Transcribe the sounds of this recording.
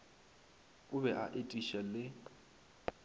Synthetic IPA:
ʊbɛʔa̰ʔetʼiʃalɪ

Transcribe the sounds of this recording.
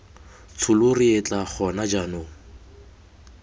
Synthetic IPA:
t͡sʰʊlʊriet͡ɬʼak͡xʰɔnad͡ʒanoŋ̩

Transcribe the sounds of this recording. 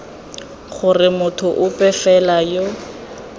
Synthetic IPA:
χʊrɪmʊtʰʊʔʊpʼɛfɛlajo

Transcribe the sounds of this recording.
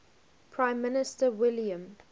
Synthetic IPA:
pʰɹãɪ̃mːɪnɪstəwɪljə̃m

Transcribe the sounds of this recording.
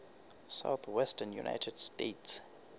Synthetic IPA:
sa̰ʊθwɛstənjṵnʔa̰jtʰɛd̥stets

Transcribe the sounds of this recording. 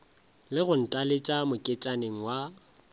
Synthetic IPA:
lɪɣʊn̩tʼalet͡ʃʼamʊkʼet͡ʃʼaneŋ̩wa

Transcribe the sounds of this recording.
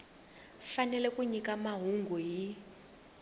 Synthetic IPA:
fanɛlɛkuɲikamaɦuŋɡʱuɦi

